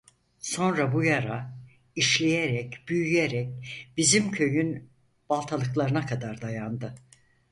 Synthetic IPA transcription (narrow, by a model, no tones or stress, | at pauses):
so̞nɾabujaɾa | iʃlʲejeɾɛcb̥yjyjeɾɛc̚b̥izimcʰø̞jyn | b̥alˠt̪ʰalˠɯklˠaɾɯnakʰad̪aɾd̪ajand̪ɯ